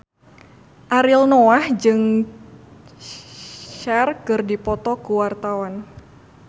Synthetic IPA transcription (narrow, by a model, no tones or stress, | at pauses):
ʔaɾɪlnoahd͡ʒɨŋ | ʃɛrkɨrdipɔt̪ɔkuwart̪awan